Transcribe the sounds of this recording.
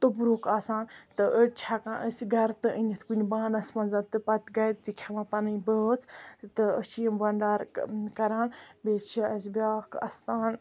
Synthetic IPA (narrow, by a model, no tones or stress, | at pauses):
t̪ubɾuːkaːsaːnt̪ɨʔət͡ʃʰaːkãːʔəsɡɐɾt̪ɨənʲit̪ʰkunʲbaːnɐsmɐnzant̪ɨpɐt̪ɡaːj̪t̪ikʰeʋãːpɐnɨbəːt͡sʰt̪ɨə̰siəmbɐɳɖaːɾkɐɾaːnbeːt͡ʃʰiɐsbʲaːkɐ̰st̪aːn